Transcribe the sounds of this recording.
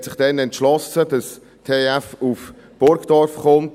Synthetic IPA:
tsɪχd̥ɛnɛntʃlɔsəd̥ɑs | tʰeæfuf | b̥ʊɾɡd̥ɔɾfχʊmt

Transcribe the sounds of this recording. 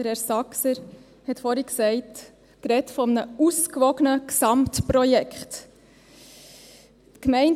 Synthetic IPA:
əɾɛɾsɑksəɾ | hɛtfɔɾiksɛɪt | kɾɛtfɔmənəuskʋɔɡənəksɑmtpɾɔjɛkχt | kmɛɪn

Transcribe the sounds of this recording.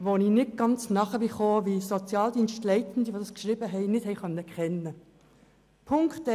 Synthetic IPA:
ʋoninɪt̚ɡ̥ɑnt͡snɑχəvifoːʋisot͡sjɑːld̥iːnʃtlɛɪtn̩d̪iʋoːdɑskʃʁiːbəɦɛɪnɪthɛɪkœnːəkχɛnə | pʰʊŋktɛ

